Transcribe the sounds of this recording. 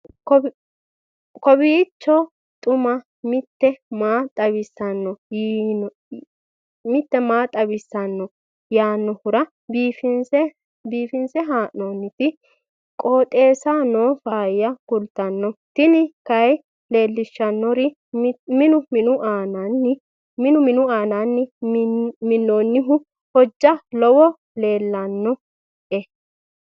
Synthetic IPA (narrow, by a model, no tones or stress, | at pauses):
kɔ | kɔbɪːt͡ʃːɔ | t̪ʼʊmɐ | mɪt̪ːɛmaːt̪ʼɐβɪsːɐnːɔj | mɪt̪ːɛmaːt̪ʼɐbɪsːɐnːɔ | jaːnːɔhʊɾɐ | biːfɪnɛ | biːfɪnsɛɦaːʔɔnːɪt̪ɪ | kʼoːt̪ʼe̞ːsaːnoːfaːjɐkʊlt̪ɐnːɔt̪ɪnɪkɐj | le̞ːlːɪʃːɐnːɔɾɪ | mɪnʊmɪnʊʔaːnɐnːɪ | mɪnʊmɪnʊaːnɐnːɪ | mɪnːoːnːɪɦʊ | hɔd͡ʒːɐlɔwɔ | le̞ːlːɐnːɔ | ʔɛ